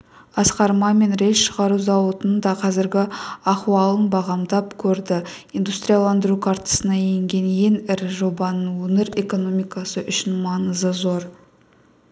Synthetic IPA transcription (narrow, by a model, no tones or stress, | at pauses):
ɑsqɑɾmɑme̞nɾe̞jʃəʁɑɾuzɑwət̪ənd̪ɑqʰɑzɪɾɡʲɪɑχuɑlˠənbɑʁɑmd̪ɑpkʲʰɵɾd̪ɪ | ind̪ust̪ɾijalˠɑnd̪əɾukʰɑɾt̪ə̥sənɑejŋɡʲe̞nje̞ŋɪɾʒo̞bɑnəunɪɾe̞ko̞no̞mijkɑsəʔʏʃɪnmɑnəzəzo̞ɾ